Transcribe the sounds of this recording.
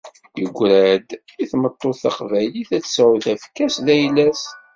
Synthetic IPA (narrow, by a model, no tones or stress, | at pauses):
jəɡʷːɾæd̪iθmət̪ˤːoθɑqvæjliθæt͡sːsæwðæfkːæsðæjlæs